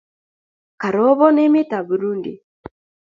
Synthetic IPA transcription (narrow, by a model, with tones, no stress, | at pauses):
ka˨ɾɔ˨˦βɔ˦ne˦mɪ˦ta˨bu˨ɾu˦ndḭ˨